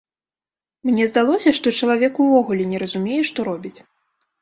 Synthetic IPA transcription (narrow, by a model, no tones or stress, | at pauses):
mnʲɛzd̪alˠɔsʲɐʂt̪ɔt͡ʂɐlˠavʲɛkuvɔɣulʲɛnʲɛɾɐzumʲɛjɛʂt̪ɔɾɔbʲit͡sʲ